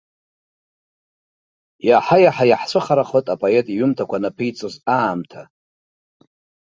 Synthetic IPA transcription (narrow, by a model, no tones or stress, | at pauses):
jaħajaħajaħsʷʰɨχaɾaχotʼapʼoetʼiɥʊmtʰakʷanapʰɨjt͡sʼozaːmtʰa